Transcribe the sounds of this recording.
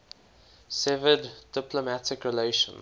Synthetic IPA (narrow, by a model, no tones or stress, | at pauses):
sɛvədd̥ɪpʰləmætɪkɹɛleɪʃə̰̃n